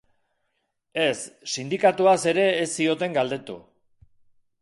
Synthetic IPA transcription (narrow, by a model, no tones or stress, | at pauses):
e̞sːind̪ikat̪uase̞ɾe̞ːsːio̞t̪e̞ŋɡald̪e̞t̪ṵ